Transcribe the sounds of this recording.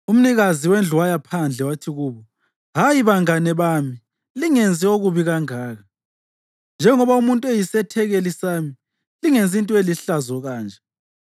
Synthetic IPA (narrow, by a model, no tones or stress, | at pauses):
um̩niɣaziwend͡ɮʱuwajapʰand͡ɮʱɛwatʰiɣuːβɔ | ɦajiβaŋanɛβaːmi | liŋend͡zʱʼioɣuβiɣaŋaːɣa | nd͡ʒʱɛŋɔβaumuntʼuejisɛtʰɛɣɛlisaːmi | liŋent͡sʼintʼueliɬazɔɣaːnd͡ʒʱɛ